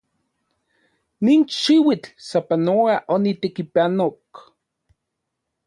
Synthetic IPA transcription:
niːnʃiwit͡ɬsapanoaʔonit̪ekipanok

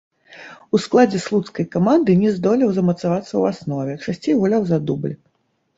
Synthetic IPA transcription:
usklˠad͡zʲɛslˠut̪skɐjkamand̪ɨnʲɛzd̪ɔlʲɛwzɐmɐt̪savat̪sːɐwasnɔvʲɛt͡ʂasʲt͡sʲejɣulʲawzad̪ublʲ

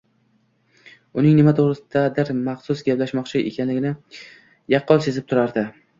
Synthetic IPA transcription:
ʊnɪŋnɪmat̪ʰoʁɾɪsɪd̪ad̪ɪɾmɑχsʊsɡʲaplaʃmɒχt͡ʃʰɪʔḛkʲʰanlɪɡʲɪnɪ | jɑqːɒlˠse̞zɪp̚t̪ʰʊɾaɾd̪ɪ

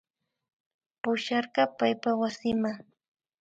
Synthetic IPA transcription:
pʊʃɑɾɢɑpajpawasɪmaŋ

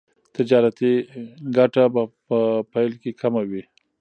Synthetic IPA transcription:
t̪ɪd͡ʒɑɾat̪iɡaʈabapəpajlkekʰamawi

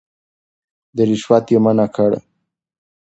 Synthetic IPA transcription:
d̪əɾiʃwat̪jemanakʰaɽa̰

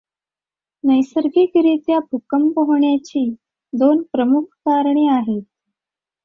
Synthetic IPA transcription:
nəjsəɾɡikɾit̪jabʱukəmpəɦɳjat͡ɕiː | d̪onpɾəmukʰkaɾɳiːaɦet̪̚

